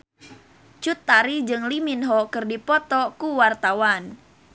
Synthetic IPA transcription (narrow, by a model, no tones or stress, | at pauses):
t͡ʃut̪ːaɾid͡ʒɨŋliminɦɔkɨrdipɔt̪ɔkuwart̪awan